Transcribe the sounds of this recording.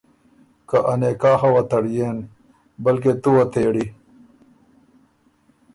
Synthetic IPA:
kɐʔɐneːkaːxɐwɐt̪ɐɽjeːn | bɐlket̪uwɐt̪ʰeːɽi

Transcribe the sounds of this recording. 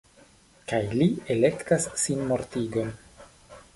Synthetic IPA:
kajlie̞le̞ktasːinmo̞ɾtiɡo̞n

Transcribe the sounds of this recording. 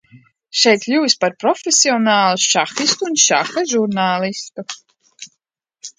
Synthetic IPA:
ʃɛjt̪lʲuːsʲpaɾpɾɔfʲesʲiɔnaːlˠuʃaxist̪uːnʃaxaʒuɾnaːlˠist̪u

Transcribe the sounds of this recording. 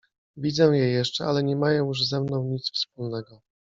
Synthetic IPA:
vʲid̪zɛw̃jɛjɛʂt͡ʂɛalɛɲɛmajɔ̃w̃juʐzɛmnɔ̃w̃ɲit̪sfspulnɛɡɔ

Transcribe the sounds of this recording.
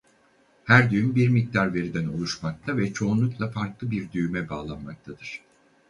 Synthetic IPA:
hæɾd̪yjymbiɾmic̚t̪ʰaɾve̞ɾid̪ænolˠuʃmak̚t̪ʰavɛt͡ʃʰo̞unlˠuklˠafaɾklˠɯbiɾd̪yjymɛbaːlˠanmak̚t̪ʰad̪̥ɯɾ̝̥

